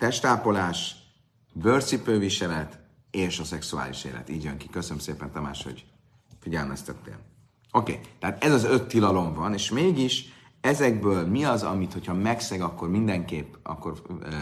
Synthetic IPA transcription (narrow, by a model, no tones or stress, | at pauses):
t̪ɛʃt̪aːpo̞laːʃ | bøːrt̪sipøːviʃɛlɛt̪ | eːʃɒsɛksua̰ːlḭʃḛːlɛ̰t̪iːɟjøŋkikøsønømseːpɛnt̪ɒma̰ːʃho̰ɟ | fiɟɛlmɛst̪ɛt̪ːḛːn | o̞kḛːt̪ɛaːt̪ɛzɒzø̞t̪ːilɒlo̞ɱvɒneːʃmeːɡiʃ | ɛzɛɡ̚bøːlmiɒzɒ̰mit̪hochɒmɛksɛɡɒkːo̞rmind̪ɛŋkeːpːɒ̰kːo̞r